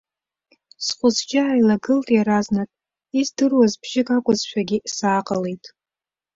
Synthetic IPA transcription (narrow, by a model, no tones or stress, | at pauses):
sχʷʊzd͡ʒʲaːjlaɡɨltʼjaɾaznatʼ | izdɨrwazbʒ̥ɪkʼakʷʼʊzʃᶣaɡʲɪsaːqʼəle̞jtʼ